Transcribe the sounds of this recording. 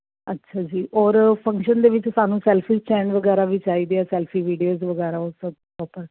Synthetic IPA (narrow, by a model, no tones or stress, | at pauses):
ətːʃʰaːd͡ʒiːʔɔːɾpʰə̃ŋkʃənd̪eːʋɪt͡ʃsaːnũːsɛːlpʰiːt͡ʃɛːnʋəɡɛːɾaːʋiːt͡ʃaːiːd̪eːɛːsɛːlpʰiːʋiːɖijoːzʋəɡɛːɾaːʊsəbpɔːpəɾ